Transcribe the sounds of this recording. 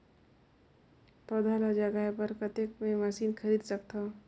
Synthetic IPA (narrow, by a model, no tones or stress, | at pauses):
pɐd̪ʱaːlad͡ʒəɡaepɐɾkət̪ekmẽmɐsiːnxʰɐɾiːd̪sɐk̚t̪ʰaː